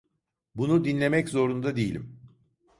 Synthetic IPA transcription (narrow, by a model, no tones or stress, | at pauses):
bunud̪inlʲe̞mɛczo̞ɾund̪ad̪ejilʲḭm